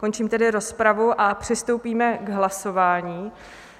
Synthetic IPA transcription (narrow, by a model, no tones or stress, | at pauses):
ko̞nt͡ʃiːmt̪ɛdɪɾo̞spɾavuʔapr̝̥ɪst̪o̞wpiːmɛɡɦlaso̞vaːɲiː